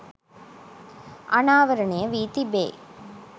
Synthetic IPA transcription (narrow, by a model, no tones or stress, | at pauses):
ʔɐnaːʋɐɾɐneɐʋiːt̪ibḛː